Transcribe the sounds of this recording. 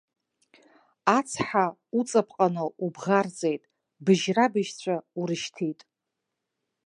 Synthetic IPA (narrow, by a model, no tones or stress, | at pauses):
at͡sʰħa | ut͡sʼapʰqʼanoʔubʁard͡zʼejtʼ | bɨʒrabɨʃt͡ɕʷʰauɾɨʃtʰitʼ